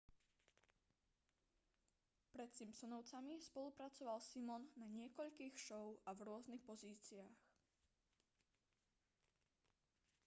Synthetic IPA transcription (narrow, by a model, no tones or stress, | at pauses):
pɾɛt̪simpsɔnɔʊt͡samispɔlupɾat͡sɔʋalsimɔnːaɲɪɛkɔʎkiːxʃɔʊavɾʊɔznixpɔziːt͡siaːx